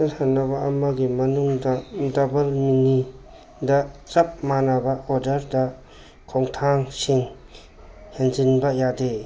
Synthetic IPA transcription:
anhanɐβɐːmɐɡimɐnuŋdɐdɔbɐlmini | dɐt͡ʃɐp̚manɐbɐoɾdɐɾdɐ | kʰoŋtʰaŋsiŋ | henzinbɐjade

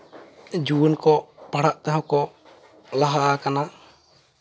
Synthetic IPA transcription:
d͡ʒuwənkɔpaɽaʔt̪aɦãkɔ | laɦaʔakana

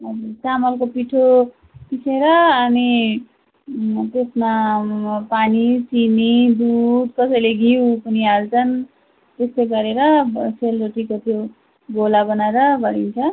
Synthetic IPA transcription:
ʌd͡zuɾt͡samʌlkopiʈʰo | kisʰeɾʌːni | t̪esma | panit͡sinid̪ud̪kʌsʌjleɡʱiw̃pʌniɦalt͡sʰʌn | t̪est̪ejɡʌɾeɾʌselɾoʈʰikot̪ʰjo | ɡolabʌnaɾʌbʌɽint͡sʰʌ

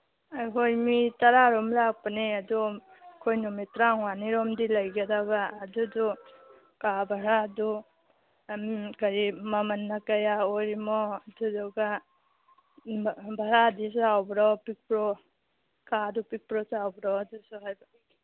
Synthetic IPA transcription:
ajɦojmitaɾaɾɔmlak̚paneadɔ | kʰojnɔmitɾaŋwaniɾɔmdilajɡadaɡaːdudɔ | kabʱaɾadu | mɡaɾimamanːakajaoɾimɔadudɔɡa | bʱaɾadisawbɾɔpik̚pɾɔ | kadɔpik̚pɾɔsawbɾɔadusuɦajba

